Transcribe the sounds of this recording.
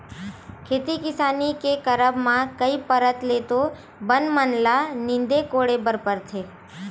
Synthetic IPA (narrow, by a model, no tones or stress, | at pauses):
kʰeːt̪ikɪsaːnikekəɾəbmãkəipəɾət̪let̪o | bənmənlanɪ̃nd̪ekoːɽebəɾpəɾt̪ʰeː